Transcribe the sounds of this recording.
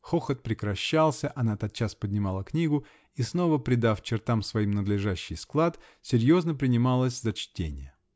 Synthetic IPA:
xoxət̪̚pɾʲɪkɾɐɕːalˠsʲəʔɐnat̪ɐt̪̚t͡ɕːaspədʲnʲɪmɑlˠəknʲiɡʊ | isno̞vəpɾʲɪd̪aft͡ɕɪrt̪amsvɐimnəd̪lʲɪʐaɕːɪjsklˠat̪ | sʲɪɾʲjo̞znəpɾʲɪnʲɪmalˠəsʲzət͡ɕtʲenʲɪ̰jə

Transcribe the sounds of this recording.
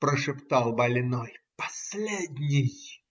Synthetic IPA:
pɾəʂɨpt̪alˠbɐlʲnojpɐ̥sʲlʲed̪ʲnʲɪj

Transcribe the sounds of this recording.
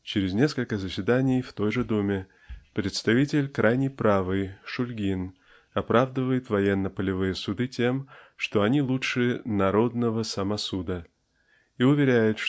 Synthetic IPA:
t͡ɕɪɾʲɪznʲe̞skəlʲkəzəsʲvʲɪd̪anʲɪjft̪o̞jʐɨd̪omʲɪ | pɾʲɪt̪st̪ɐvʲitʲɪlʲkɾʔajnʲɪjpɾavɨjʂʊlʲɡʲin | ɐpɾʔavd̪əvəjɪt̪vɐjenːəpəlʲɪvɨjəsʊd̪ɨtʲe̞mʂt̪o̞ɐnʲilˠuʂɨnɐɾo̞d̪nəvəsəmɐsud̪ə | iʊvʲɪɾʲæjɪt̪ʂ

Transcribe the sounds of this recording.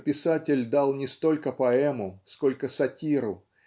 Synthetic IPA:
pʲɪsatʲɪlʲd̪alˠnʲɪst̪o̞lʲkəpɐɛmʊsko̞lʲkəsɐtʲiɾʊ

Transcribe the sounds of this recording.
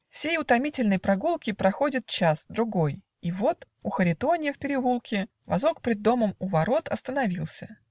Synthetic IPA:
fsʲejʊt̪ɐmʲitʲɪlʲnəjpɾɐɡulˠkʲɪpɾɐxo̞dʲɪt̪̚t͡ɕasd̪ɾʊɡo̞j | ivo̞t̪ | ʊxəɾʲɪt̪o̞nʲɪjəfpʲɪɾʲɪvulˠkʲɪ | vɐ̰zo̞kpʲɾʲɪd̪ːo̞məmʊvɐɾo̞t̪ɐ̰st̪ənɐvʲilˠsʲə

